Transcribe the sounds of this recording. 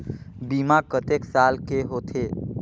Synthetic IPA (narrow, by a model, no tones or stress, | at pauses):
biːmakət̪eːksaːlkeɦot̪ʰe